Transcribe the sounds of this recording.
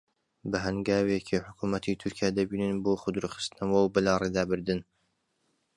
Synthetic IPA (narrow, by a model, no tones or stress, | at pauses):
bɨɦɐnɡaːwecʰiħʊkʰuːmɐt̪ʰit̪ʰʊɾkʰijaːd̪ɐbiːnɨnboːxʊd̪ɾɨxɨ̥st̪ɨnɐwɐwbɨlareːd̪aːbɨɾd̪ɨn